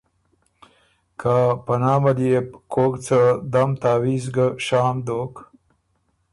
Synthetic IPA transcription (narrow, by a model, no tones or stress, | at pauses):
kʰapɐnaːmad̪ijep̚koːkt͡səd̪amt̪aːwizɡəʃaːmd̪oːk